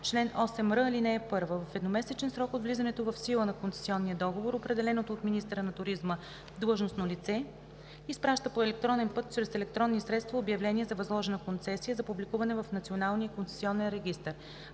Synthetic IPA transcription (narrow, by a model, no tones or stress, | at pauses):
t͡ʃlɛnɔsɛmɾɤlinɛɛpɤɾvəvɐfɛd̪nomɛsɛt͡ʃɛnsɾɔkod̪vlizɐnɛt̪ovɐfsilˠənɐkonsɛ̥siɔnːiəd̪ɔɡovoɾopɾɛd̪ɛlɛnot̪oːt̪minist̪əɾənɐt̪ʊɾizmə | d̪lˠəʒnosnolit̪sɛ | ispɾaʃt̪əpoɛlɛk̚t̪ɾɔnɛnpɤt̪̚t͡ʃɾɛsɛlɛk̚t̪ɾɔnːisɾɛt̪st̪vɐobjɐvlɛniɛzɐvɐzlˠɔʒɛnəkont̪sɛsijəzɐpublikuvɐnɛvɐfnɐt̪sionalˠnijəkont̪sɛ̥siɔnɛnɾɛɡ̟ist̪əɾ